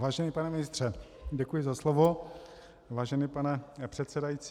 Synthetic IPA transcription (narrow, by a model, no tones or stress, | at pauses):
vaːʒɛnipanɛmɪnɪst̪r̥ɛ | ɟɛkujɪzaslovo | vaːʒɛnipanɛpr̝̥ɛt̪sɛdajit͡s